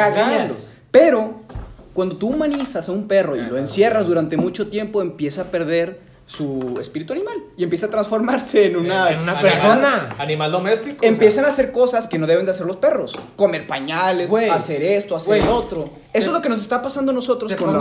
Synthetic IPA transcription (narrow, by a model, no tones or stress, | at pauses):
aɣaɲao | pe̞ɾo̞kwand̪o̞t̪uumãnisasaumpe̞ro̞ḭlo̞e̞nsje̞razðuɾant̪e̞mut͡ʃo̞t̪je̞mpo̞empje̞saːpe̞ɾð̞e̞ɾ | suespiɾit̪uanĩmaliempje̞sat̪ɾansfo̞ɾmaɾse̞ːnũnaunapeɾsonaanimald̪omest̪ikempje̞sanase̞ɾko̞saske̞no̞ð̞e̞βe̞nd̪ease̞ɾlo̞spe̞ro̞sko̞me̞ɾpaɲalesease̞ɾe̞st̪oaseɾot̪ɾo | esoezlo̞keno̞s̬est̪apasand̪onoso̞t̪ɾoskon